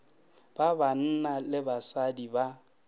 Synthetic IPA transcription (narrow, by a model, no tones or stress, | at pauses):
b̥aban̩nalɪbasadiba